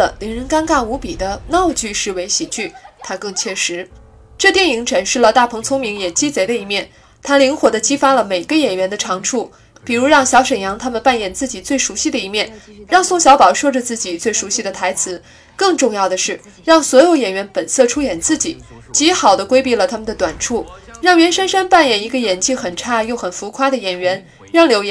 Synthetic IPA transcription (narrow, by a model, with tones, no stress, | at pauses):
ə˩li˧˥nɻə˧˥nka˥nka˥˩u˧˥pi˨˩d̪ə˦nɑ˥˧ʊt͡ɕy˥˧ʂɻ̩˥˩we˧˥ɪɕi˨˩t͡ɕy˥˩t̪ʰa˥kɤ˥˧ŋt͡ɕʰɥɛ˥˩ʂɻ̩˧˥ | ʈ͡ʂɤ˥˧t̪jɛ˥˩ni˧˥ŋʈ͡ʂʰə˨˩ŋʂɻ̩˥˩lə˩t̪a˥˩pʰɤ˧˥ŋt͡sʰʊ˥ŋmi˧˥ŋjɛ˨˩t͡ɕi˥t͡se˧˥ɪd̪ə˧i˧˥mjɛ˥˩n | t̪ʰa˥li˧˥ŋxwɔ˨˩d̪ə˦t͡ɕi˥fa˥lə˨me˨˩ɪɡə˦jɛ˨˩nɥɛ˧˥nd̪ə˧ʈ͡ʂʰɑ˧˥ŋʈ͡ʂʰu˥˩ | pi˨˩ɻu˧˥ɻɑ˥˩ŋɕjɑ˧˥ʊʂə˨˩ŋjɑ˧˥ŋt̪ʰa˥mə˨npa˥˩njɛ˨˩nt͡sɹ̩˥˩t͡ɕi˨˩t͡swe˥˩ɪʂu˧˥ɕi˥˧˩d̪ə˩i˧˥mjɛ˥˩nɻɑ˥˧ŋsʊ˥˩ŋɕjɑ˧˥ʊpɑ˨˩ʊʂwɤ˥˩ʈ͡ʂə˩t͡sɹ̩˥˩t͡ɕi˨˩t͡swe˥˩ɪʂu˧˥ɕi˥˩d̪ə˩t̪ʰa˧˥ɪt͡sʰɹ̩˧˥ | kɤ˥˧ŋʈ͡ʂʊ˥˧ŋjɑ˥˩ʊd̪ə˩ʂɻ̩˥˩ | ɻɑ˥˩ŋswɔ˧˥jo˧˥ʊjɛ˨˩nɥɛ˧˥npə˨˩nsɤ˥˩ʈ͡ʂʰu˥jɛ˨˩nt͡sɹ̩˥˩t͡ɕi˨˩˦ | t͡ɕi˧˥xɑ˨˩ʊd̪ə˦kwe˥ɪpi˥˩lə˩t̪ʰa˥mə˨nd̪ə˩t̪wa˨˩nʈ͡ʂʰu˥˩ɻɑ˥˩ŋɥɛ˧˥nʂa˥nʂa˥npa˥˩njɛ˨˩ni˧˥ɡə˧jɛ˨˩nt͡ɕʰi˥˩xə˨˩nʈ͡ʂʰa˥˧jo˥˩ʊxə˨˩nfu˧˥kʰwa˥d̪ə˨jɛ˨˩nɥɛ˧˥n | ɻɑ˥˩ŋljo˧˥jɛ